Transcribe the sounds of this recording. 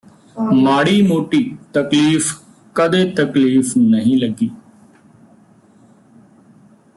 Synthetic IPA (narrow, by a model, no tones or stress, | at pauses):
maːɽiːmoːʈiːt̪əkliːf | kəd̪eːt̪əkliːfnəɦĩːləɡːiː